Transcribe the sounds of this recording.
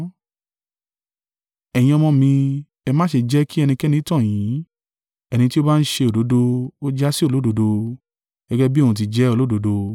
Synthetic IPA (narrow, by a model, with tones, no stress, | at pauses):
ɛ˨j̃ĩ˧ɔ˧mɔ̃˧mĩ˧ | ɛ˧mãː˦ʃe˧d͡ʒɛ˦ki˦ɛ˧nĩ˧kɛ˦nĩ˧˦tɔ̃˦˨j̃ĩ˨˦ | ɛ˧ñĩ˧ti˦o˦ba˦˧n̩˦ʃe˧o˨do˨˦do˧o˦d͡ʒa˦si˦o˦˨o˨˦do˨˧do˧ | ɡ̥ɛ˦ɡɛ˦bi˦o˧˨ũ˧t̬i˧d͡ʒɛ˦o˧lo˦do˨˧do˧